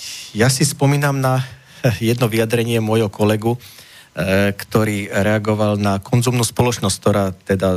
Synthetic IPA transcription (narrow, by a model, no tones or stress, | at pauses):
jasispɔmiːnamna | jɛd̪nɔʋijad̪ɾɛɲɪɛmʊɔjɦɔkɔlɛɡu | kt̪ɔɾiːɾɛaɡɔʋalnakʰɔnzumnuːspɔlɔt͡ʃnɔsʲk̚t̪ɔɾaːt̪ɛd̪a